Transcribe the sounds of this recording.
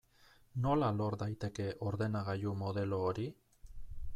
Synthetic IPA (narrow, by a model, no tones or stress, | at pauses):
no̞lalo̞ɾd̪ajt̪e̞ke̞ʔo̞ɾðe̞naɣajumo̞ð̞e̞lo̞ːɾi